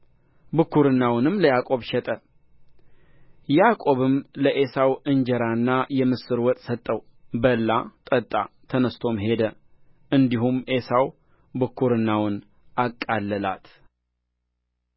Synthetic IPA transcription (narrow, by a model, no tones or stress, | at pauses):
bɨkʰːuɾɨnːawnɨmləjakʼo̞βʃɛt̪ʼə | jakʼo̞βɨmləʔe̞sawɨnd͡ʒɛɾanːajɛmɨsɨɾwɔt̪ʼsət̪ʼːəw | bəlːat̪ʼət̪ʼa̰t̪ʰənəst̪ʰo̞mɦe̞d̪ə | ɨnd̪iɦumʔe̞saw | bɨkʰːuɾɨnːawn | akʼːalːəla̰t̪